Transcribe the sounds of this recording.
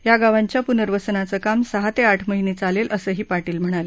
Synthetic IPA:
jaɡaʋaɲt͡ɕjapunəɾʋəsnat͡səkamsəɦat̪eaʈʰməɦinet͡salelʔəsəːɦiːpaʈiːlm̤əɽ̃ale

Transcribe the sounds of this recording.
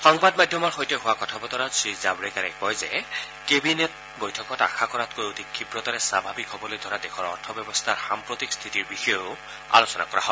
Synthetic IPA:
xɔŋbadmadʱjɔmaɹxojtɛɦʊwakɔtʰabɔtɔɹasɹizabɹɛkaɹɛkkɔjzɛ̰ | kebinɛt̚ | bojtʰɔkɔta̰xʰakɔɹatkojotikʰːibɹɔtaɹɛsabʱabikɦɔbɔlojdʱɔɹadɛxʰɔɹɔɹtʰɔbjɛbɔstʰaɹxampɹotikst̪ʰitiɹbixɔjɔ | a̰losɔna̰kɔɹa̰ɦɔ

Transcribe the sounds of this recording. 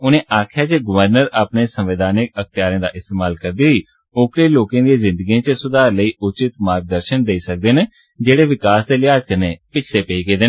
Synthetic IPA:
ʊnẽːʔaːkʰjaːt͡ʃeːɡʊʋəɾnəɾaːpneːsəmʋɪd̪aːnɪkəkʰt̪ɪjaːɾẽːd̪a̰ːʔɪst̪eːmaːlkəɾd̪iːɦiː | oːkɾeːloːkãːd̪eːzɪ̃nd̪əɡiːãːt͡ʃəsʊd̪aːɾləiːʔʊt͡ʃɪt̪maːɾɡ̚d̪əɾʃənd̪eiːsək̚d̪eːneː | d͡ʒeːɽeːʋɪkaːsd̪eːlɪaːd͡ʒkəneːpɪt͡ʃʰleːpeiːɡeːd̪eː

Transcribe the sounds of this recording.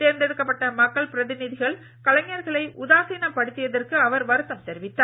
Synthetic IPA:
teːɾnd̪ɛɾɯkːɐpːɐʈːɐmɐkːɐɭpɪɾɐðɪnɪðɪɣɐɭ | kɐlɐŋjɐɾɣɐɭɐɪʔʊðaːsiːnɐpːɐɽɯt̪ːɪjɐðɐrkɯɐʋɐɾʋɐɾɯt̪ːɐmt̪ɛɾɪʋɪt̪ːaː

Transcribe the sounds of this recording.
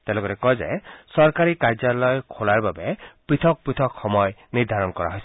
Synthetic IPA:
t̪elɔɡɔɾekɔjd͡ʒa̰esɔɾkaɾikaɾd͡ʒalɔjkʰolaɾbabepɾit̪ʰɔk̚pɾit̪ʰɔkxɔmɔjniɾd̪ʱaɾɔnkɔɾa̰ɦɔjsi̥

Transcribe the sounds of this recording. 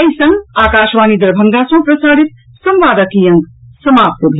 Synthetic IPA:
ɐisɐ̃ŋɡaːkaːʃʋaːnid̪ɐɾbʱɐŋɡasɐ̃pɾɐsaːɽit̪̚ | sɐmʋaːd̪ɐkijɐŋɡsɐmaːp̚t̪əbʱ

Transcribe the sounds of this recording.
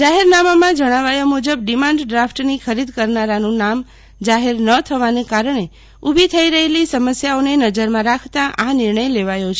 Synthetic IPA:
d͡ʒaɦeɾnamamãd͡ʒəɽ̃aʋajamud͡ʒəb̚ɖimãɳɖɖɾafʈnikʰəɾid̪kəɾnaɾanũnam | d͡ʒaɦeɾnət̪ʰəʋanekaɾəɳe | ubʱit̪ʰəiɾəɦelisəməsjaonenəd͡ʒəɾmãɾakʰt̪aʔanɪɾɳəjleʋajot͡ʃʰe

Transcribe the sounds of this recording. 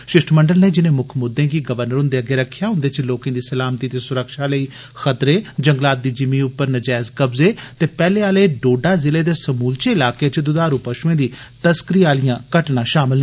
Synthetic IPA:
ʃɪsʈʰməɳɖəlneːd͡ʒɪnẽːmʊkʰmʊd̪ẽːɡiːɡəʋəɾnəɾʊ̃nd̪eːəɡeːɾəkʰːjaːɦʊ̃nd̪eːt͡ʃloːkẽːd̪iːsəlaːmt̪iːt̪eːsʊɾəkʃaːləiː | xət̪ɾeːd͡ʒəŋɡlaːt̪̚d̪iːd͡ʒɪmĩːʊpːəɾnəd͡ʒɛːɪzkəbzeːt̪eːpɛːleːaːleːɖoːɖaːzɪleːd̪eːsəmuːlt͡ʃeːɪlaːkeːt͡ʃəd̪ʊd̪aːɾuːpəʃuẽːd̪iː | t̪əskɾijaːlijãːkəʈnãːʃaːmɪl

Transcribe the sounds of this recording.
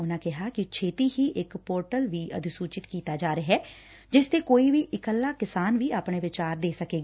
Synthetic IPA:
ʊnãːkɪɦaːkɪt͡ʃʰeːt̪iːɦiːʔɪkpoːɾʈəlʋiːə̰d̪suːt͡ʃɪt̪kiːt̪aːd͡ʒaːɾeɦɛː | d͡ʒɪst̪eːkoːiːʋiːʔɪkəlːaːkɪsaːnʋiːaːpɳeːʋɪt͡ʃaːɾd̪eːsəkeːɡ

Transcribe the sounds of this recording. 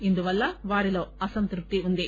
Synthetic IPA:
ind̪uʋɐlːɐʋaːɾiloːɐsɐnt̪ɾup̚t̪iund̪i

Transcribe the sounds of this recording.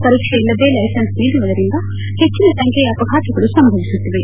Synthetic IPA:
kɐɾikʂɐilːɐʋeːlɐjsɐnsʋiːd̪umɐd̪ɐɾind̪ɐ | het͡ʃːinɐsɐŋkʰeɐpɐɡʱaːt̪ʰɐɡɐɭusɐmbʱɐʋisut̪ːiʋe

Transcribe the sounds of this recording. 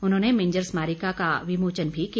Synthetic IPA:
ʊnɦõːnemẽːɲd͡ʒəɾsmaːɾikakaʋɪmoːt͡ʃənbʱiki

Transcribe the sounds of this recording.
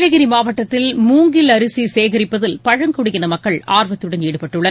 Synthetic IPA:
lɐɣɪɾimaːʋɐʈːɐt̪ːɪlmuːŋɡɪlɐɾɯsiseːɣɐɾɪpːɐðɪlpɐɻɐŋkɔɽɯɣɪnɐmɐkːɐɭaːɾʋɐt̪ːɯɽɐneːɽɯpɐʈːɯɭːɐn

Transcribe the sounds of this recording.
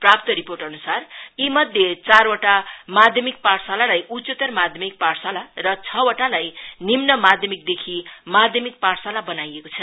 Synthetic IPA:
prap̚t̪ʌɾiporʈʌnusarjimʌd̪ʱjet͡sarwoʈamad̪ʱjʌmik̚paɽsalalajʔut͡set̪ʌrmad̪ʱjʌmik̚parsalarʌt͡sʰʌwoʈalajnimnʌmad̪ʱjʌmik̚d̪ekʰimad̪ʱjʌmik̚paɽsalabʌnajekot͡sʰʌ

